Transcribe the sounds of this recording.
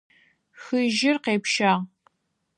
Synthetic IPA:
xɨʒɪrqeːpʃaːʁ

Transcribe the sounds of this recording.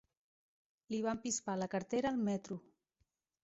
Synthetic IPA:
liβ̞ampispaləkəɾt̪eɾəːlˠmɛt̪ɾu

